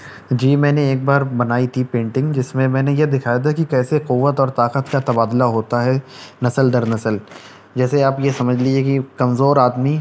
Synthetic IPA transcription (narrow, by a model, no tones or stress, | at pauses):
d͡ʒiːmɛ̃ːneeːk̚baːɾbɐnaːit̪ʰipẽːɳʈɪ̃ŋɡd͡ʒɪsmẽmɛ̃ːnejed̪ɪkʰaːjad̪akikɛːsequʋːət̪ɔːɾt̪aːqət̪kat̪ɐbaːd̪laɦoːt̪aɦɛnɐsəld̪ɐɾnɐsəl | d͡ʒɛːseaːpjesɐməd͡ʒʱlid͡ʒekikɐmzoːɾaːd̪mi